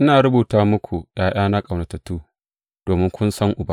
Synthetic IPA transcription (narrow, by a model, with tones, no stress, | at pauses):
ʔɪ˦naː˨ɾʊ˦buː˨taː˦mʊ˦kʷu˨ɗaː˨j̰aː˦na˦kʼɐ˨wnɐ˨tɐ˨tːuː˦ | d̥oː˨mɪ˦ŋkʷʊ˦nsɐ˦ŋʔʊ˨ba˦